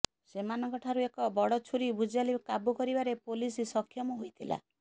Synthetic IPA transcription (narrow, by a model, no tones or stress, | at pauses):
semanɔŋkɔʈʰaɾuekɔbɔɽɔt͡ʃʰuɾibud͡ʒalikabukɔɾibaɾepolisisɔkʰːjɔmuɦojt̪ʰila̰